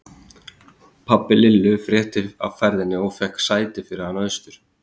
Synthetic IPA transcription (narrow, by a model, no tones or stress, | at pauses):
pʰapːɪlɪlːʏfɾjɛht̪ɪa̰vfɛɾðɪnːɪɔɣfɛhksaːjt̪ɪfɪːɾɪɾhanœːðst̪ʏɾ̥